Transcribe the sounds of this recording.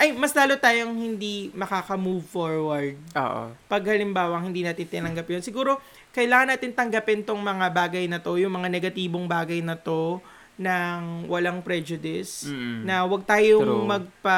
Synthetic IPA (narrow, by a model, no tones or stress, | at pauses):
ʔɐjmɐslaːlot̪aːjoŋhɪnd̪imɐkaːkɐmuːvfoɹwɐɹd̪̚ʔo̰ːʔo̰pɐɡhɐlɪmbaːwɐŋhɪnd̪iːnaːt̪ɪnt̪ɪnɐŋɡɐpjonsɪɡuːɾo̞ | kɐʔɪlaːŋɐnaːt̪ɪnt̪ɐŋɡɐpɛnt̪oŋmɐŋabaːɡɐjnɐt̪o̞jʊŋmɐŋanɛɡɐt̪iːboŋbaːɡɐjnɐt̪o̞ | nɐŋwɐlaŋpɾɛd͡ʒʊd̪ɪsnɐwɐɡ̚t̪aːjoŋmɐɡ̚pɐ